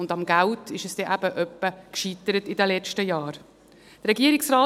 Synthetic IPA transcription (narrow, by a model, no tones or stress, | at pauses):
ʊndɑmɡæltʰɪʃəsd̥ɛʔæb̥əʔœpːəkʃit̪əɾətɪdɛlɛt͡ʃtəjɑːɾ | d̥əɾɛɡiəɾɪksɾaː